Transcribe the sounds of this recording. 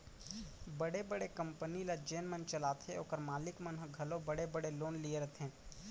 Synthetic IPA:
bəɽebəɽekə̃mpənilad͡ʒeːnmənt͡ʃəlaːt̪ʰeoːkəɾmaːlɪkmənɦɡʱɐlõbɐɽebəɽeloːnlieɾɐt̪ʰɛ̃ː

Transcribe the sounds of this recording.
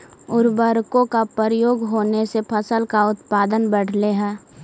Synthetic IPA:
ʊɾbəɾkõkapəɾəjoːɡɦoːnesepʰəsəlkaʊt̪paːd̪ənbəɽ̤leɦɛː

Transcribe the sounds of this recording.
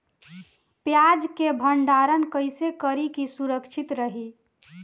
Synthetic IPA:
pjad͡ʒkebʱəɳɖaɾənkəjsekəɾikisuɾəkt͡ʃʰit̪ɾəɦi

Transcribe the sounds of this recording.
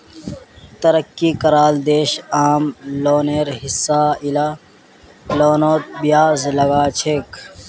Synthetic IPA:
t̪ɐɾɐkːikɐɾaːld̪eːɕaːmloːneːɾɦisːaːila | loːnoːt̪̚bjaːzlɐɡaːt͡ɕʰeːk

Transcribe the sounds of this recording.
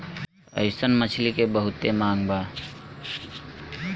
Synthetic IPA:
ə̰ɪsənmət͡ʃʰlikebəɦut̪emãːŋɡba

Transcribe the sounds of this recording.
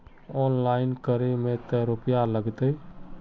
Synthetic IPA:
ɔnlaɪnkəɾemẽt̪əɾopijaləɡt̪ə

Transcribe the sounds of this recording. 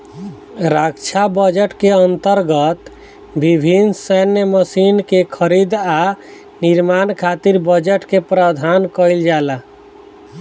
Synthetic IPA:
ɾakt͡ʃʰabəd͡ʒəʈkeənt̪əɾɡət̪ | bibʱinsənːjməsinkekʰəɾid̪a | niɾmankʰat̪iɾbəd͡ʒəʈkepɾəd̪ʱankəjld͡ʒala

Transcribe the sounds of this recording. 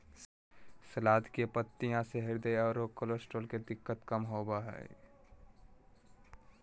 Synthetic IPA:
səlaːd̪ʱkepət̪ːijãseɦɪɾd̪eaːɾokolosʈolked̪ɪkːət̪kəmɦoːbaɦɛ̰

